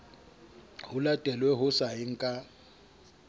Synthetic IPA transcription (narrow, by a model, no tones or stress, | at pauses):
hʊlatʼɛlwɛɦʊsaɪŋ̩kʼa